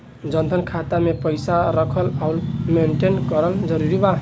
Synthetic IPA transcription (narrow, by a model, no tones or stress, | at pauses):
d͡ʒʌnd̪ʱənkʰat̪amepəjsaɾəkʰəlawlmeɳʈenkʌɾəld͡ʒʌɾuɾiba